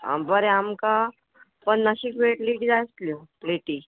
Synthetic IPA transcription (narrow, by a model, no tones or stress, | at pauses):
a̰bəɾeamka | pəɳnaɕiːkʋeʈliʈid͡zast̪ljopleʈiː